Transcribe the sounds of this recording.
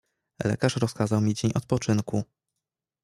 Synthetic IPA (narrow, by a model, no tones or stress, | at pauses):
lɛ̰kaʂɾɔskazawmʲid͡ʑeɲɔt̪̚pɔt͡ʂɘnku